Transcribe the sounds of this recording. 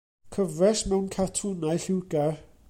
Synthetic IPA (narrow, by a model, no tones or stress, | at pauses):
kʰəvrɛsmɛwnkʰatʰunajɬɪwɡa